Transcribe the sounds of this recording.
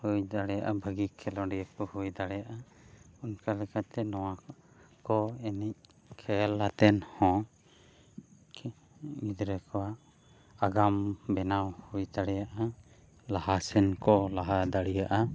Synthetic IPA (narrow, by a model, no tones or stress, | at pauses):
hujd̪aɽɛjaʔabʱəɡikʰɛlɔ̃ɖiakɔhujd̪aɽɛjaʔa | unkalɛkʰat̪ɛnɔwa | kɔɛnɛc̚ | kʰɛlːat̪ɛnhɔ̃ | id̪ɾɛkɔwaʔ | aɡambɛnawhujd̪aɽɛjaʔa | laɦasɛnkɔlaɦad̪aɽijaʔa